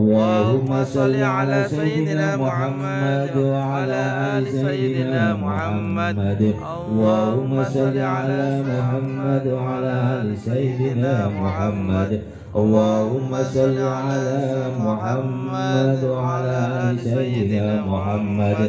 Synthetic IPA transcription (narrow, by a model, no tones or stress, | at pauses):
ʔlˤːɑːhʊmːasˤɑlːiʕalaːsajɪd̪ɪnaːmʊħamːad̪waʕalaːʔaːlɪsajɪd̪ɪnaːmʊħamːad̪ | ʔɑlˤːɑːhʊmːasˤɑlːiʕalaːmʊħamːad̪waʕalaːʔʔaːlɪsajɪd̪ɪnaːmʊħamːad̪ | ʔɑlˤːɑːhʊmːasˤɑlːiʕalaːmʊħamː | ad̪waʕalaːʔaːlɪsajɪd̪ɪnaːmʊħamːad̪